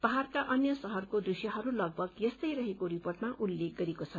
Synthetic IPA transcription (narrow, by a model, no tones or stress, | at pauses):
pʌɦarkaʔʌnjʌsʌɦʌrkod̪rusjʌɦʌɾulʌɡ̚bʱʌɡjʌst̪ʌjɾʌɦekoɾiporʈmaʔulːek̚ɡʌɾekot͡sʰʌ